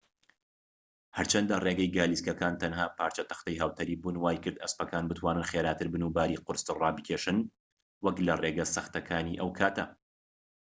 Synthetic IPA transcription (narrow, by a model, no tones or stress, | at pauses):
hɐɾt͡ʃʰɐnd̪ɐreːɡɐjɡaːliskɐkaːnt̪ʰɐnɦaːpʰaːɾt͡ʃɐt̪ɐ̥xt̪ɐjɦɐwt̪ʰɐɾiːbuːnwaːjkɨɾd̪ɐ̰spɐkaːnbɨt̪ʰwaːnɨnxeːɾaːt̪ʰɨɾbɨnubaːɾiːqʊɾst̪ɨrˤɑːbɨkʰʲeːʃɨn | wɐklɐreɡɐsɐxt̪ɐkʰaːniːʔɐwkʰaːt̪ɐ